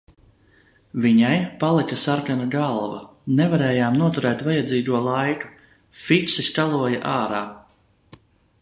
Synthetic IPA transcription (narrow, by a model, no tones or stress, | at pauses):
viɲajpalˠikasaɾkanaɡalˠva | nɛvaɾɛːjaːmnuɔt̪uɾɛːt̪vajad̪ziːɡ̪uɔlˠajku̥ | fitsiskalˠuɔjaʔaːɾaː